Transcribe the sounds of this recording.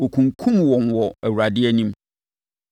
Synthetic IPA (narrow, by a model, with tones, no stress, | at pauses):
ɔ˨kʰũ˨ŋkʰũ˦mwɔ̃˨nwɔ˨æ˨wu˨ɾa˨dɪ˦ɛ˦nĩ˦m